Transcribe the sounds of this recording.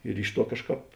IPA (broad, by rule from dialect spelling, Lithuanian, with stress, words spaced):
ɪr ˈɪʃ ˌtuɔ ˈkɑːʃˌkɑːp